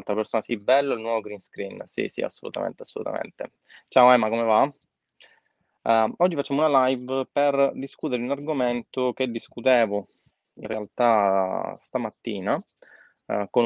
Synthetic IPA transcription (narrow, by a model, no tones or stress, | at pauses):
lt̪ɾapeɾsoːnasibɛlːilnwɔvoɡɾinskɾinsḭsḭa̰sːolṵt̪amḛnt̪eḁsːolṵt̪a̰mḛnt̪ḛ | t͡ʃaoɛːmakomeva | ɔd͡ʒːifat͡ʃːamounalajvperd̪iskut̪eɾeunarɡoment̪oked̪ːiskut̪ɛːvo | ḭnrːealt̪ast̪amat̪ːiːna | kon